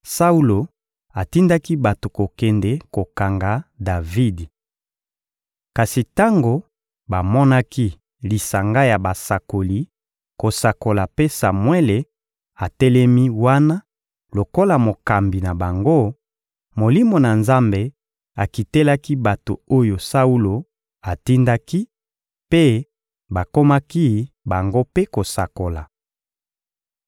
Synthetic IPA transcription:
sa˦u˦lo˨ | a˨ti˦nda˦ki˦ba˨to˨ko˨kɛ˨nde˦ko˨ka˨ŋɡa˨da˨vi˦d | ka˨si˨ta˦ŋɡo˨ | ba˨mɔ˦na˦ki˦ | li˨sa˨ŋɡa˦ja˨ba˨sa˨ko˨li˨ | ko˨sa˨ko˨la˨pe˦sa˨mwe˦le˨ | a˨tɛ˦lɛ˦mi˦wa˦na˦ | lo˨ko˦la˨mo˨ka˨mbi˨na˨ba˨ŋɡo˦ | mo˨li˦mo˨na˨nza˦mbe˨ | a˨ki˨te˦la˦ki˦ba˨to̰˨o˦jo˨sa˦u˦lo˨ | a˨ti˦nda˦ki˦ | pe˦ | ba˨ko˦ma˦ki˦ | ba˨ŋɡo˦pe˦ko˨sa˨ko˨la̰˨

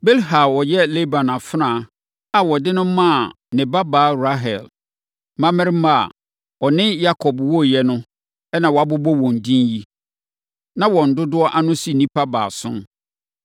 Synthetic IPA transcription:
be˦lɦa˨wɔ˨jɛ˦lɛ˦bã˨nã˨fnã˨ | a˨wɔ˨dɪ˦nʊ̃˦mã˦˨ | nɪ̃˨ba˦baː˨˦ɾa˦ɦɛ˨l | mã˦mɪ̃˦ɾma̰˦˨ | ɔ˨nɪ̃˦ja˦kʰɔ˨bwɔ˦jɛ˦nʊ̃˦ | ɛ˦nã˨wɔ˨a˨bʊ˦bɔ˦wɔ̃˨n˨dĩ˦nji˦ | nã˦wɔ̃˨n̩˨dʊ˦dʊ˦ɔ˦ʔa˦nʊ̃˦si˦nĩ˦pʰa˦ba̰ː˨sʊ̰̃˦n

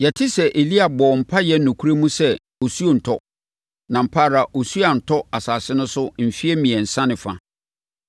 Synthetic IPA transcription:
jɛ˨tʰɪ˦sɛ˨ʔe˨li˦a˨bɔ˨m̩˨pʰa˦jɛ˦n̩˦nʊ̃˨kʰu˦ɾe˦mũ˦sɛ˦ | o˨su˦o˨n̩˨tʰɔ˦ | nã˨m̩˨pʰa˦˨ɾa˨ʔo˨su˦a˨n̩˨tʰɔ˦a˨saː˨sɪ˦nʊ̃˦sʊ˦m̩˨fi˦ɛ˦mĩ˨ɛ̃˨n̩˨sã˦nɪ̃˨fa̰˨

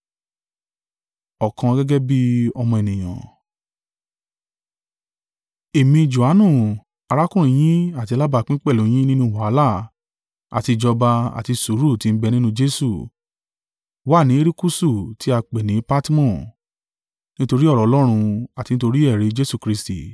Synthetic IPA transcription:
ɔ˨kã˧ɡɛ˦ɡɛ˦bi˦ɔ˧mɔ̃˧e˨nĩ˨j̃ã̰˨ | e˨mĩ˧d͡ʒo˨a˨˦nũ˦˨ | a˨˧ɾa˦kũ˦˨ɾ̃ĩ˧˦j̃ĩ˦a˦˨ti˧la˦ba˧k͡pĩ˦k͡pɛ˦˨lõ˨˦j̃ĩ˦nĩ˦nũ˦wa˨˦la˦˨ | a̰˨ti˧d͡ʒɔ˧ba˧a̰˨ti˧su˨˦ɾu˦˨ti˨˦n̩˦bɛ˧nĩ˦nũ˦d͡ʒe˦su˦˨ | wa˦˨nĩ˨˦e˦ɾi˦ku˦su˦˨ti˦a˧k͡pe˨nĩ˨˦pa˦ti˦mɔ̃˦˨ | nĩ˦to˧ɾi˦ɔ˦˨ɾɔ˨ɔ˦lɔ˦ɾ̃ũ˧a˨ti˧nĩ˦to˧ɾi˦ɛ˦˨ɾe˨˦d͡ʒe˦su˦˨kɾi˧˦stḭ˨

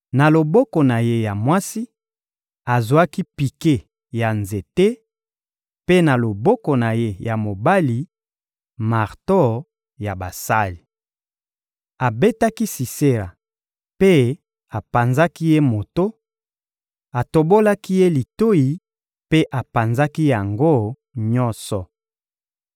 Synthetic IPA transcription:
na˨lo˨bɔ˦kɔ˨na˨je˦ja˨mwa˦si˦ | a˨zwa˦ki˦pi˨ke˦ | ja˨nze˨te˦ | pe˦na˨lo˨bɔ˦kɔ˨na˨je˦ja˨mo˨ba˦li˨ | ma˨ʁtɔ˦ | ja˨ba˨sa˦li˨ | a˨be˦ta˦ki˦si˨se˦ʁa̰˨ | pe˦ | a˨pa˨nza˦ki˦je˦mo˨to˦ | a˨to˨bo˦la˦ki˦je˦li˨to˦ji˨ | pe˦ʔa˨pa˨nza˦ki˦ja˨ŋɡo˦ | ɲɔ˦nsɔ˨

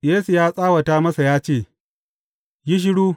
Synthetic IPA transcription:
jeː˦su˨jaː˦sʼaː˦wɐ˨taː˦mɐ˦sa˨jaː˦t͡ʃeː˦˨ | jɪ˦ʃ̬ɪ˦ɽuː˦

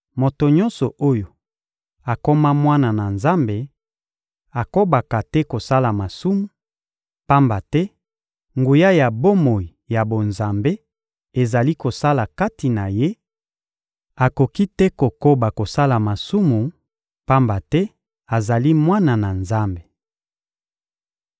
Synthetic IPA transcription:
mo˨to˨ɲɔ̃˦nsɔ˨ʔo˦jo˨ | a˨ko˦ma˦mwa˦na˨na˨nza˦mbe˨ | a˨ko˦ba˨ka˨tɛ˦ko˨sa˦la˨ma˨su˦mu˨ | pa˦mba˨tɛ˦ | ŋɡu˨ja˦ja˨bo˦mo˨i˨ja˨bo˨nza˨mbe˦ | e˨za˨li˦ko˨sa˦la˨ka˦ti˨na˨je˦ | a˨ko˨ki˦tɛ˦ko˨ko˦ba˨ko˨sa˦la˨ma˨su˦mu˨ | pa˦mba˨tɛ˦ | a˨za˨li˦mwa˦na˨na˨nza˦mbe˨

